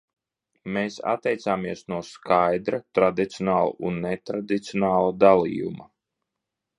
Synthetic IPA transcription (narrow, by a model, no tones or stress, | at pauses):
meːsa̰t̪ːɛjt̪saːmiɛsnuɔskajd̪ɾat̪ɾad̪it̪sijɔnaːlˠṵunːet̪ɾad̪it̪sʲiɔnaːlˠad̪alˠḭːjṵma